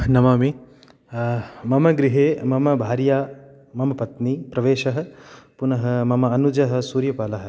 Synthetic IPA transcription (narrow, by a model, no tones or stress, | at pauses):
nɐmaːmi | mɐmɐɡɾiɦeːmɐmɐbʱaːɾjaː | mɐmɐpɐt̪nipɾɐʋeːʃɐɦɐ̆punɐɦɐmɐmɐɐnud͡ʒɐɦɐ̆suːɾjɐpaːlɐɦɐ̆